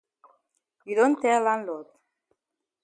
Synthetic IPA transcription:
iðont̪elanlot̪̚

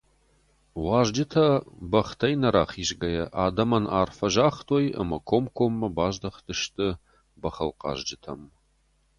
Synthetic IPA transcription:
ʁʷɑːʒd͡ʒɪtʰɐbɐχtʰɐjnɐɾaːχiːʒɡɐjɛʔaːdɐmɐnʔa̰ːrfɐʒaːχtʰoːjə̰mɐkʷʰomkʷʰomːɐbaːʒdɐχtʰɨʃtʰʼɨ | bɐχɐlqɑ̰ːʒd͡ʒɪtʰɐ̰m

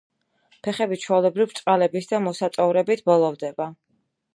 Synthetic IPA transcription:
pʰɛχɛbit͡ʃʰwɛlɛbɾivɾt̪sʼqʼalɛbisd̪amɔsat̪ʼɔvɾɛbit̪ʰbɔlˠɔvd̪ɛba

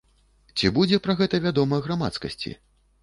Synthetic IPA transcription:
t͡sʲibud͡zʲɛpɾɐɣɛt̪ɐvʲad̪ɔmɐɣɾama̰t̪skɐsʲt͡sʲḭ

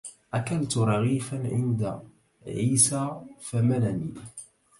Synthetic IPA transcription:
ʔækalt̪uɾˤɑɣifanʕɪnd̪a | ʕiːsafæmænæni

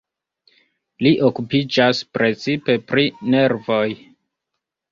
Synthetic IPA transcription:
liʔo̞kupid͡ʒaspɾe̞t͡sipe̞pɾine̞ɾvo̞j

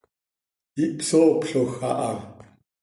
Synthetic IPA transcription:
ipsoːpɬoxaʔaŋ

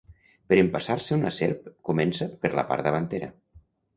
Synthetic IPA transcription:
pəɾəmpasaɾsəunəseɾpkumensəpəɾlə̰pa̰ɾðəβ̞ant̪eɾə̰

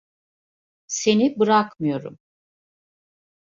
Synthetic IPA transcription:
se̞nibɯɾakmɯjo̞ɾṵm

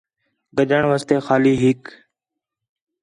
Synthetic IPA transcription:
ɡəd͡ʒəɳʋəːst̪eːxaːliːɦɪk

